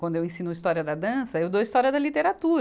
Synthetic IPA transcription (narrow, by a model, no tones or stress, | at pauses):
wɐ̃nd̪ʊewẽsĩnʊɐist̪ɔɾiɐd̪ɐd̪ɐ̃sɐewd̪oist̪ɔɾiɐd̪ɐlit̪eɾat̪uɾ